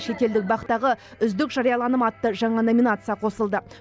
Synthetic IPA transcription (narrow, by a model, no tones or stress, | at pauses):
ʃe̞t̪ʲe̞ld̪ɪk̚bɑqt̪ɑʁəʏzd̪ɪkʒɑɾijɑlˠɑnəmɑt̪ːəʒɑɴɑno̞mʲinat̪sɨjɑqʰo̞səlˠd̪ə